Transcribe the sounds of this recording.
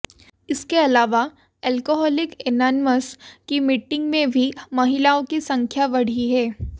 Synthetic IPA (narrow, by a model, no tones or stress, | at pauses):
ɪskeɐlaːʋa | ɛːlkoɦɔːlɪkenaːnməskimɪʈɪ̃ŋɡmẽbʱimɐɦɪlaːõkisɐ̃ŋkʰjaʋɐɽ̤iɦɛː